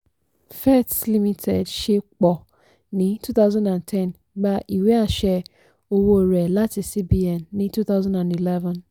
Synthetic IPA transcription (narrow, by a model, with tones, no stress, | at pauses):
fɛ˦tli˦mĩ˦tʰɛ˨dʃe˦k͡pɔ˨ | nĩ˨˦tʰu˦θa˦ʊzã˦ndã˨ntʰɛ̃˦˨n | ɡ͡ba˦ʔi˨we˦a˦˨ʃɛ˦ | o˦wo˦˨ɾɛ˨la˦tɪ˨si˦bi˦ɛ˨nːĩ˦tu˦θa˦ʊzã˦ndã˨ni˨lɛ˦vã˨n